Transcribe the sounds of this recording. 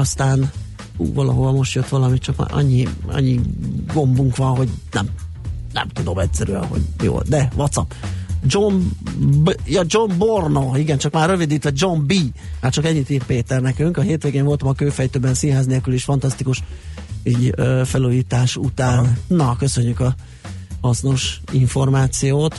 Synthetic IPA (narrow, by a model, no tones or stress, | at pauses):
ɒst̪aːn | ṵːvɒlɒ̰ɦovɒmo̞ʃt̪jøt̪ʋɒlɒmit̪t͡ʃɒkːɒ̰ɲːiɒ̰ɲːiɡo̞mbuŋkʋɒnɦo̞ɟnɛ̰m | nɛ̰mt̪ud̪o̞mɛtʲsɛɾy̰ɛ̰nɦo̞̰ɟjo̰ːld̪ɛʋɒt̪sɒpd͡ʒombjɒd͡ʒombornoiɡɛnt͡ʃɒkmaːrːøvid̪iːt̪ʋɛd͡ʒo̞mbiːmaːrt͡ʃɒkɛɲːit̪iːrpeːt̪ɛrnɛkyŋkɒɦeːt̪ʋeːɡeːɱo̞lt̪ɒmɒkøːfɛjt̪øːbɛnsinɦaːzneːlkyliʃfɒnt̪ɒst̪ikuʃiɟøːfɛluːjiːt̪aːʃut̪aːnnnːɒkø̞sø̞ɲːykɒ | hɒsno̞ʃiɱfo̞rmaːt̪sijoːt̪